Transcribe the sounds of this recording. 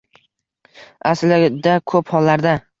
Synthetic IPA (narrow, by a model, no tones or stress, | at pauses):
aslɪd̪akʰɵphɒlːaɾd̪a